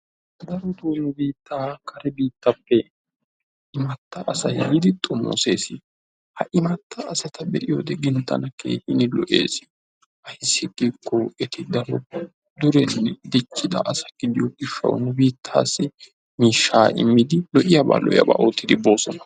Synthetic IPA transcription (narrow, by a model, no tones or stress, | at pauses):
d̪ɐɾɔt̪unʊbiːt̪ːaːkɐɾɛbiːt̪ːɐpːɛ | ɪmɐt̪ːɐʔɐsɐhɪd̪ɪt̪ʼɔmo̰seːsɪ | hɐʔɪmɐt̪ːɐːsɐt̪ɐbɛ̰ʔɪjɔd̪ɛɡɪnt̪ːɐ̰nɐkḛːʔɪnɪlɔ̰ʔḛːs | ʔɐjsːɪɡʼikʰːɔɛt̪ɪd̪ɐɾɔ̰ | d̪ʊɾɛnːɛd̪ɪt͡ʃːɪd̪ɐ̰ʔɐsɐɡ̥ɪd̪ɪjɔɡɪʃːɐ̰w̰nʊbiːt̪ʰːaːsːɪ | miːʃːaːʔɪ̰mːɪd̪ɪlɔʔɪjɐba̰ːlɔ̰ʔɪjɐ̰ba̰ːʔoːt̪ːɪd̪ɪbo̞ːsɔnɐ